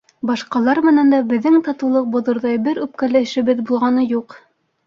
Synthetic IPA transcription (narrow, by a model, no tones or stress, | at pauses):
bɑʃqɑlˠɑɾmɘ̆nænd̪æbɘ̆ðːɘŋt̪ɑt̪ɤ̆wlˠɤq̚bŏðŏɾðɑjbɘɾʉp̚kælɘɘ̆ʃɘ̆βɘðbulˠʁɑnɤjuq